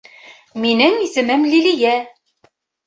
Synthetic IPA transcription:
minɘŋisɘ̆mɘmlilijæ

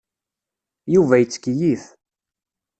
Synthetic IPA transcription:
juvæjət͡sːə̥kjiθ

